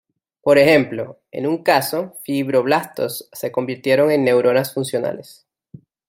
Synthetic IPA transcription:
po̞ɾe̞xe̞mplo̞ | e̞̰nuŋkaso̞fiβɾo̞βlast̪o̞sːe̞ko̞mbiɾt̪je̞ɾo̞ŋe̞nːe̞wɾo̞nasfunsjona̰le̞s

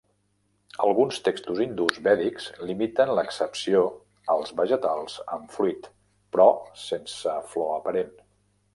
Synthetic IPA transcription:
əlˠɣunst̪ekst̪uzind̪uzβɛðikz̥limit̪ənləksəpsio | əlˠzβəʒət̪alˠz̥əɱfɾuit̪ | pɾɔsensəflɔəpəɾen

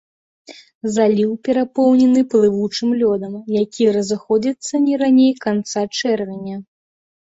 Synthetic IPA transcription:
zalʲiwpʲɛɾapɔwnʲɛnɨplˠɨvut͡ʂɨmlʲɔd̪ɐmjakʲiɾɐzɨxɔd͡zʲit̪sːɐnʲɛɾanʲejkant̪sat͡ʂɛrvʲɛnʲɐ

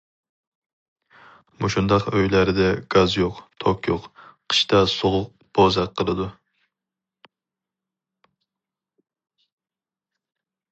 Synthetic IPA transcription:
muʃund̪ɑqøjlæɾɪd̪ɛɡ̥ɑzjoqt̪ʰokjoqqʰə̥ʃt̪ʰɑsoʁʊq̚ | b̥ozɑqʰːəlˠɨd̪u

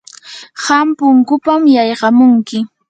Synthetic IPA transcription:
ɢɑmpʊŋkʊpamjɑjɢɑmʊŋkɪ

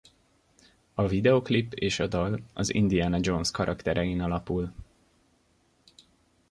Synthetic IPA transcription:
ɒvid̪ɛoklipːeːʃɒd̪ɒlɒzḭnd̪iaːnɒd͡ʒonskɒɾʔɒkt̪ɛɾʔɛjinɒlɒpul

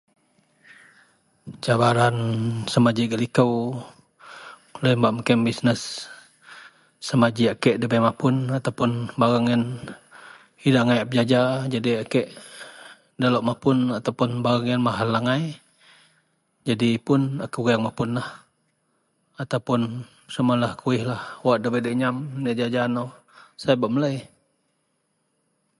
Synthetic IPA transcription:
t͡ʃabaɾansəmad͡ʒiɡəlikəw | ləmbaʔməkɛmbisnəs | əmad͡ʒiakɛʔdəbajmapʊnat̪awpʊnbaɣaŋɛn | hidaŋajap̚d͡ʒad͡ʒad͡ʒadiakɛʔ | daloʔmapʊnat̪apʊnbaɣaŋɛnmaɦalːaŋaj | d͡ʒadipʊnakuɡajaŋmapʊnlah | at̪awpʊn | səmalahkuɪhlahwaʔdəbadɛʔɲamnaʔd͡ʒad͡ʒana | sajabaʔməlaj

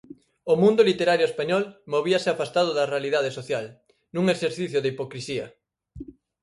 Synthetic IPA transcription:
omũnd̪ʊlit̪eɾaɾjoespaɲɔlmoβiɐsɪafast̪aðʊðɐrealiðað̞esoθjal | nũŋeseɾθiθjʊðeipokɾisiɐ̰

